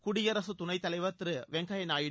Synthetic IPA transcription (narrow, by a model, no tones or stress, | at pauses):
kʊɽɪjɐɾɐsɯt̪ʊnɐɪt̪ːɐlɐɪʋɐt̪ɾɯʋɛŋɡɐjɐnaːjɪ